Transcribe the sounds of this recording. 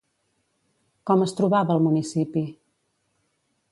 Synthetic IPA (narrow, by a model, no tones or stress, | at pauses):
kɔməst̪ɾuβaβəːlˠmunisipi